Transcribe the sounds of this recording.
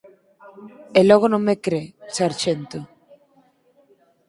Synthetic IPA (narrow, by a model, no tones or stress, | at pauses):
elɔɣ̞onõŋmːekɾesaɾt͡ʃent̪o